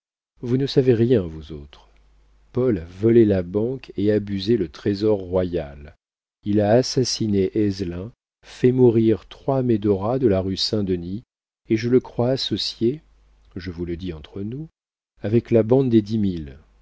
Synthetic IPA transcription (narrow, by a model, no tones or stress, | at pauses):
vunəsaveʁjɛ̃vuzot̪χ | pɔlavɔlelabɑ̃keabyzelət̪χezɔʁːwajal | ilaːsasineʔɛzlɛ̃ | fɛmuʁiʁt̪χwamed̪ɔʁad̪əlaʁysɛ̃d̪əni | eʒələkχwaːsɔsje | ʒəvuləd̪iɑ̃t̪χənu | avɛklabɑ̃d̪d̪ed̪imil